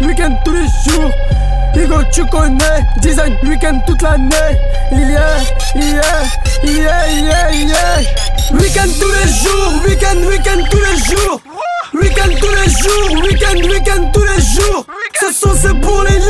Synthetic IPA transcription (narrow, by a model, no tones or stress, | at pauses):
wikɛ̃nd̪̚t̪uɾeʒu | iɡot͡ʃukõne | d̪izẽwikɛ̃nd̪̚t̪ut̪lane | ijɛ | ijɛ | ijɛijɛijɛwikɛ̃nd̪̚t̪uɾeʒuwikɛ̃nd̪wikɛ̃nd̪̚t̪uɾeʒu | wikɛ̃nd̪̚t̪uɾeʒuwikɛ̃nd̪wikɛ̃nd̪̚t̪uɾeʒusesõsebulẽ